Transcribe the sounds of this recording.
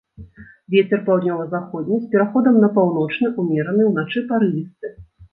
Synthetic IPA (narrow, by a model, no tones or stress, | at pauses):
vʲɛt͡sʲɛrpawd̪nʲɔvɐzaxɔd̪ʲnʲisʲpʲɛɾaxɔd̪ɐmnɐpawn̪ɔt͡ʂnɨʔumʲɛɾɐnɨwnat͡ʂɨpaɾɨvʲist̪ɨ